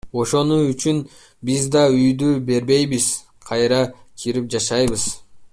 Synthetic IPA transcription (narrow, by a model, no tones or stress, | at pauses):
o̞ʃo̞nuyt͡ʃyn | bizd̪ɑyjd̪ybe̞ɾbe̞jbiz̥ | qʰɑjɾɑkʰiɾip̚d͡ʒɑʃɑjβɯz